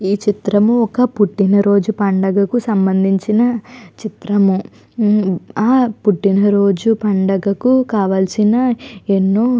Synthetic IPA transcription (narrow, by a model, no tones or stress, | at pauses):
iːt͡ʃit̪ɾɐmuɔkɐpuʈːinɐɾo̞ːd͡ʒupɐɳɖɐɡɐkusɐmbɐnd̪ʱiɲt͡ʃinɐt͡ʃit̪ɾɐmu | aːpuʈːinɐɾo̞ːd͡ʒupɐɳɖɐɡɐkukaːʋaːlɐsinɐenːoː